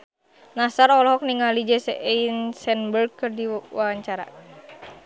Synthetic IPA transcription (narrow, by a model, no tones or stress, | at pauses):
nasarɔlɔɦɔk̚niŋalid͡ʒɛsɛʔɛinsɛnbərɡ̚kːɨrdiwawaɲt͡ʃaɾa̰